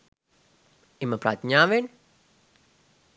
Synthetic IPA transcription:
iməpɾa̰t̪ɲaʋen

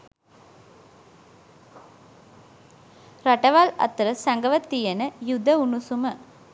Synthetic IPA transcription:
ɾɐʈɐʋaːlɐ̰t̪ːɾɐsɐŋɡɐʋɐt̪ːijɐnɐjud̪ʱːɐunusumə

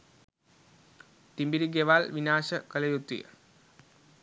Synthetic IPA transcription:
t̪imbiɾiɡeʋaːlʋinaːʃəkəlejut̪ʋḭjə̰

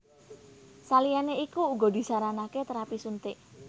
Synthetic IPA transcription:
salijaneikuːɡɔ̤d̪i̤saɾanaket̪əɾapisunt̪ɪʔ

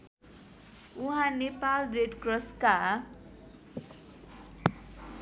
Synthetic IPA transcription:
uɦãnepalreɖkrʌska

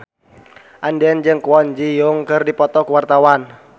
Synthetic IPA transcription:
ʔandɛnd͡ʒəŋkuwɔɲd͡ʒijʊŋkərdipɔt̪ɔkuwart̪awan

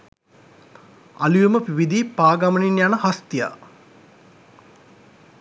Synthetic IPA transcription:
a̰lujuməpiʋid̪ipaːɡaməninjanəhast̪ija̰

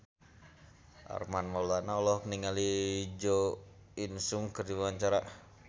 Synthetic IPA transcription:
ʔa̰rmanmɔlanaɔlɔhkəniŋalid͡ʒo | insuŋkərdiwwaɲt͡ʃaɾa

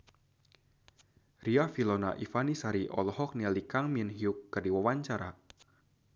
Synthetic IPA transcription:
riafilɔna̰ʔifanisaɾiʔɔ̰lɔɦɔk̚nialikaŋminɦiukːərdiwawaɲt͡ʃaɾa̰

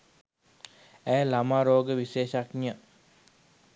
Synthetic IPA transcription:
æːlamaːɾoːɡəʋiʃeːʃaknə

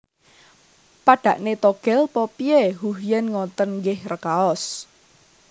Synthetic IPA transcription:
paɖ̥ä̤ʔnet̪oɡ̥ɛ̤lpɔpieɦuɦjɛnŋɔnt̪ənŋɡɪhrəkaɔs

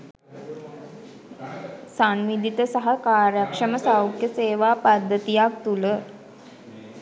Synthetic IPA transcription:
sanʋid̪it̪əsaɦakaːɾjakʂəməsawkjəseːʋaːpad̪ʱːət̪ijak̚t̪ulə

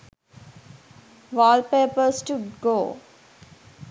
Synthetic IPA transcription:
ʋɔːlpeːpəsʈuɖɡoː

